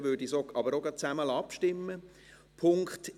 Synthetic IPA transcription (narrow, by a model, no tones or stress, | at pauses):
ʋøɹdisoːɑbəɾoɡɑt͡sæməlɑpʃtɪmːə | pʰʊŋkχt